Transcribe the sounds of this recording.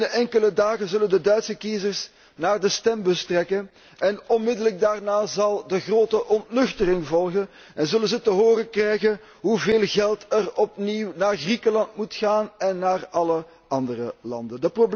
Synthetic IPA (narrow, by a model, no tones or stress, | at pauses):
əɛŋkələdaːɣəzɵləndədœɥtsəkizərs | naːrdəstɛmbəstrɛkən | ʔɛnɔnmɪdələɡ̚daːrnaːzɑlˠdəɣroːtəʔɔntlɵxtərɪŋvɔlˠɣən | ɛnzɵlənzətəɦoːɾəkrɛjɣən | ɦuveːlˠɣɛlˠtərɔpniwnaːrɣrikəlɑntmutxaːnɛnːaːrɑlə | ɑndərəlɑ̰ndəndəprob